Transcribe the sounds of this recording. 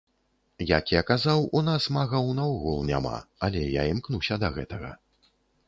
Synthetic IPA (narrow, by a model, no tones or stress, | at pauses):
jakjakazawunasmaɣɐwnawɣulˠnʲa̰ma̰ɐlʲɛjaimknusʲɐd̪ɐɣɛt̪ɐɣɐ̰